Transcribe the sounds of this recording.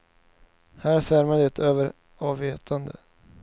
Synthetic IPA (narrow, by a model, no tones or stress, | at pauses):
hæːɾsæɾmad̪əɛt̪ʰøːvəɾ | ɑːveːt̪ʰand̪ə̰